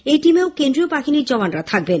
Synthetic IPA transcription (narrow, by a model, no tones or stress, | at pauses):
ejʈimeokend̪ɾiobaɦiniɾd͡ʑɔbanɾat̪ʰak̚ben